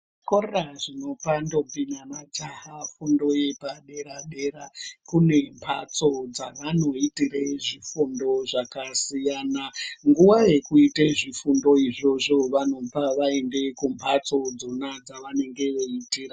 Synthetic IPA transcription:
korraʐino̞pando̞pinanad͡ʒahafundo̞je̞paɗe̞ɾaɗe̞ɾakune̞mpʰa̰t͡so̞d͡zaʋano̞itireʐifundo̞ʐakasijaːnaŋɡuʋaje̞kuiteʐifundo̞iʐo̞ʐo̞ʋano̞paʋae̞nde̞kumpʰat͡so̞d͡zo̞nad͡zaʋane̞ŋɡe̞ʋoitiːra

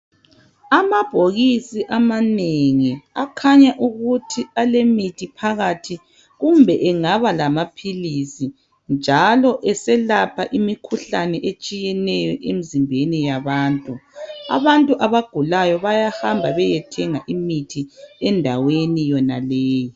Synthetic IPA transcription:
amab̥ʱoɣisiʔamaneŋiakʰaɲaʔuɣutʰialemitʰipʰaɣatʰi | ɣumbʱɛʔɛŋaβalamapʰilisi | nd͡ʒʱalɔʔɛsɛlapʰaʔimikʰuɬanɛʔet͡ʃʼijɛnɛjɔʔemizimbʱenijaβaːntʼua̰βantʼuʔaβaɡ̥ʱulajɔβajahambʱaβɛjɛtʰɛŋaʔimitʰiɛndʱawenijɔna̰lɛːjɔ

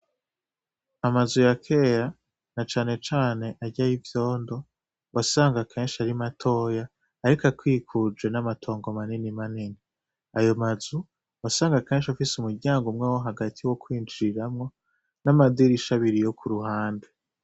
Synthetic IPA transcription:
amazujakʰe̞ːɾa | nat͡ʃaːne̞t͡ʃaːne̞ʔaɾɟajivjo̞ːndo̞ | wasaːŋɡakʰeːnʃaɾimatʰo̞ːjaː | ɾikakwiːkʰud͡ʒɡwe̞namatʰo̞ːŋɡomaninimanini | ajo̞mazu | wasaːŋɡakeːnʃiafisumuɾɟaːŋɡumŋewoɦaɡatʰiwo̞kwiːnd͡ʒiiɾamŋo̞ | namad̪iɾiʃaβiɾijo̞kʰuɾuhaːnde

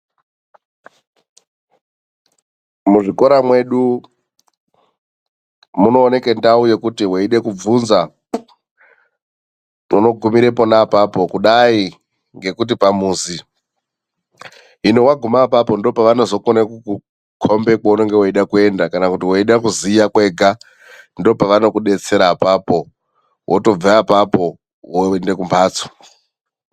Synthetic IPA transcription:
muʐiko̞ɾamwe̞ɗu | muno̞ːne̞ke̞ndauje̞kutiweiɗe̞kub͡vunza | muno̞ɡʱumiɾe̞po̞napapo̞kuɗai | ŋɡe̞kut̬ipamuːzi | ɦinowaɡʱumapapo̞ndo̞paʋano̞zo̞konekuku | kʰombekwauno̞ŋɡe̞woiɗakue̞ndakanakutiwoiɗakuzijakwe̞ɡʱa | ndo̞paʋano̞kuɗe̞t͡se̞ɾapapo̞ | wʔoto̞b͡vaapapo̞ | wonde̞kumbʰaːt͡so̥

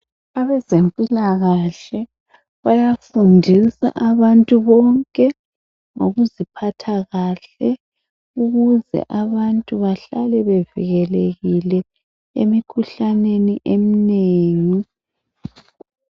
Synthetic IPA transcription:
aβɛzempʼilaɣaɬɛ | βajafundʱisa̰ʔaβantʼuβɔŋkʼɛ | ŋoɣuzipʰatʰaɣaɬɛ | uɣuzɛ̰ʔaβantʼuβaɬalɛβɛvḭɣɛleɣilɛ | ḛmikʰuɬaneniʔemineːŋi

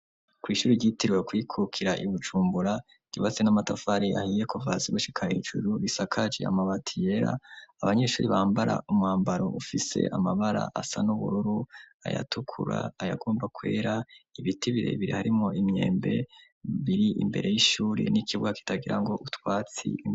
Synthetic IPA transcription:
kwiːʃuːɾiɟiːtiɾwekwikʰukʰiɾaʔiβud͡ʒuːmbuɾḁ | ɟ̥uβat͡senamatafaɾiʔahiːje̞kovaziβuʃi̥kʰahid͡ʒṵɾuβisakʰad͡ʒḛa̰maβatʰije̞ɾa̰ːβaɲe̞ʃuːɾiβaːmbaɾa̰umŋaːmbaɾo̞ʔufise̞̰ʔamaβaɾa̰ʔasanuβṵɾuɾua̰ja̰tukʰuɾa̰aja̰ɡo̞ːmbakwe̞ːɾaiβitiβiɾe̞̰βiɾihaɾimo̞ʔimɲe̞̰ːmbe̞ | βiɾiʔḭmbe̞̰ɾe̞jiʃuːɾḭnikiβuɡaki̥taɡiɾa̰ŋɡo̞ʔutwaːt͡sḭ

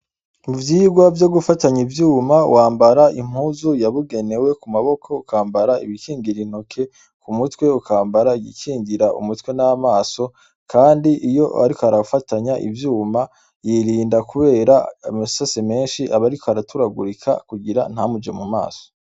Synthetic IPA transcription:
uvjiːɡwavjo̞ɡufataɲivjuːma̰waːmbaɾaim̥huːzujaβuɡe̞ne̞we̞kumaβo̞kʰo̞ukaːmbaɾaiβikʰiːŋɡiɾin̥okʰe̞ | kumutwe̞ukʰaːmbaɾaiɡikʰiːŋɡiɾaṵmutwe̞naamaːso̞ | kʰaːndiʔijo̞a̰ɾikohaɾaufataɲaʔḭvjuːma | jiɾiːndakuβe̞ːɾamasaseme̞ːnʃiʔaβaɾikohaɾatuɾaɡuɾikʰa̰kuɡiɾa̰n̥hamud͡ʒemuma̰ːso̥

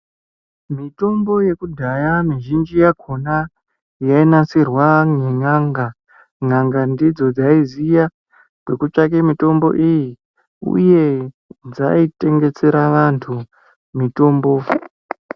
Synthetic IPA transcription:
mito̞mbo̞je̞kudʱajamiʒind͡ʒijakʰo̞na | jainasirwaŋeŋaŋɡa | ŋaŋɡandid͡zo̞d͡zaizija | kwe̞kut͡ʂak̬emito̞mbo̞̰ʔiji | ṵje̞ | d͡za̰ite̞ŋɡe̞t͡se̞ɾaʋantʰu | mito̞ːmbo

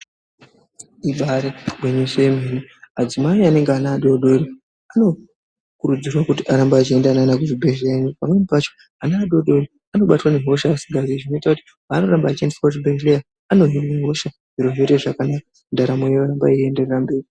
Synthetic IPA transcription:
iɓaɾeweɲeʃeemeniad͡zimaiane̞ŋɡeanaːɗo̞ɗo̞ɾi | ano̞ | kuɾud͡zirwakutiʔaɾambaːt͡ʃie̞ndananakuʐibʱe̞ʒeɲupamwe̞nipat͡ʃo̞ | anaːɗo̞ɗo̞ri | ano̞ɓatwaneɦo̞ʃaːsiɡʱaziʐino̞itakuti̥ | ano̞rambaːt͡ʃie̞ndeswotibʱeŋɡlija | ano̞ɦinneɦo̞ʃa | ʐiɾoɦo̞te̞ʐakanaka | ndaɾamojeʋaɾambaie̞nde̞rerambe̞ːri

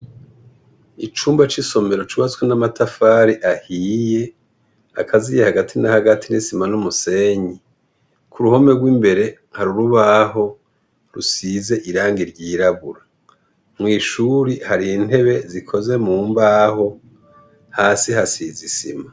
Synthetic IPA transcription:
it͡ʃuːmbat͡ʃiso̞me̞ɾo̞t͡ʃuβat͡swenamatʰafaːɾiʔahiːje̞ | a̰kʰazijehaɡatʰinahaɡatʰinisimanumuse̞ɲi | kʰuɾuho̞me̞ɡwiːmbe̞ɾe̞ | haɾuɾuβaɦo̞ | ɾusiːze̞ʔiɾaːŋɡiɾɟiːɾaβuɾa | mŋiːʃuɾihaɾin̥e̞βe̞zikʰo̞ze̞muːmbaho̞ | haːsihasizisḭma

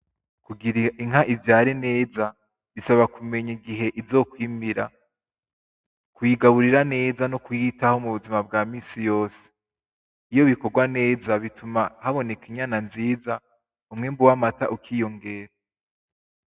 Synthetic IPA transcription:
kuɡiɾiiŋɦaʔivjaːɾine̞ːza | βisaβakume̞ɲiɡiɦe̞ʔizo̞ːkwiːmiɾa̰ | kujiɡaβuɾiɾane̞ːzanokujitaho̞muβuzimab̚ɡaːmiːsijo̞ːse̥ | ijo̞βiko̞ɡwane̞ːzaβitumahaβo̞ne̞kiɲananziːza | umŋembuwamataʔukʰiːjo̞ŋɡe̞ːɾa

